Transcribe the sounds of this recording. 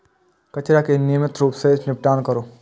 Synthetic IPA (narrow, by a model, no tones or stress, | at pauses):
kɐt͡ʃɾakenimɪt̪ɾuːpsenɪp̚ʈaːnkəɾoː